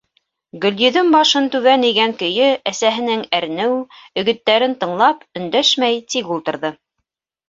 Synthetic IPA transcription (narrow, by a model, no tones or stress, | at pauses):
ɡɵ̆ljɵ̆ðɵŋbɑʃɤnt̪ʉβæniɡæŋkɵ̆jɵæsæɦɘ̆nɘŋæɾnɘwɵ̆ɡɵ̆t̪ːæɾɘnt̪ɤ̆ɴlˠɑpɵ̆nd̪æʃmæjt̪ikulˠt̪ɤ̆ɾðɤ